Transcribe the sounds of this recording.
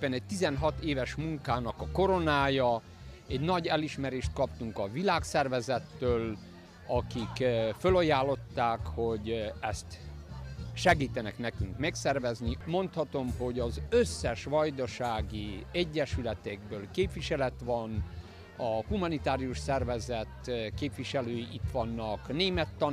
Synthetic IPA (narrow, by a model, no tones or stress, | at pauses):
pːɛnɛc̚t̪izɛnɦɒt̪eːvɛʃmuŋkaːnɒkɒko̞ɾo̞naːjɒ | ɛɟnɒɟɛliʃmɛɾeːʃt̪̚kɒp̚t̪uŋkɒvilaːksɛrvɛzɛt̪ːøːl | ɒkikfølɒjaːlːo̞t̪ːaːkho̞ɟɛst̪ | ʃɛɡiːt̪ɛnɛknɛkyŋkmɛksɛrvɛznimo̞nt̪hɒt̪o̞mho̞ɟɒzøsːɛʃʋɒjd̪ɒʃaːɡiɛɟːɛʃylɛt̪ɛɡ̚bøːlkeːpʋiʃɛlɛt̪ʋɒn | ɒhumɒnit̪aːɾiuʃsɛrvɛzɛt̪keːpʋiʃɛløːjiʔit̪ʋɒnːɒkneːmɛt̪ːɒ